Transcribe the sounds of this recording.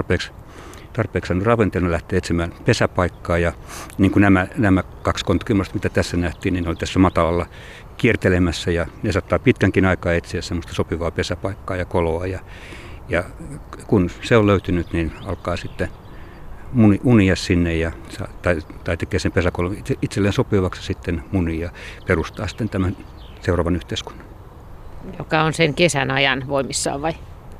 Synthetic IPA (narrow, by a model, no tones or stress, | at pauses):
t̪rpeːks | t̪ɑrpeːksɑnːorɑʋent̪elnelæht̪eːet̪simæːnpesæpɑikːɑːjɑ | niːŋkunæmænæmæ | kɑkskont̪ɑ̥kimːost̪mit̪æt̪æsːænæht̪iːnnineolʲit̪æsːæmɑt̪ɑlɑlːɑ | kiert̪elemæsːæjɑnesɑt̪ːɑːpit̪kæŋkinɑikɑːet̪siæssemːost̪ɑsopiʋɑːpesæpɑikːɑːjɑkoloɑjɑjɑkunseoløyt̪ynyt̪ninɑlkɑːsit̪ːe | muniunijɑssinːejjɑsɑ̰t̪ɑit̪ɑit̪ekeːsempesækolonieit̪selːeːnsopiʋɑksɑsit̪ːenmunijjɑperust̪ɑːsi̥t̪ːent̪æmæn | seurɑːʋɑnyht̪eisku̥n̥ːɑn | jokɑonseŋkesænɑjɑnʋoimisːɑ̰ːʋʋɑi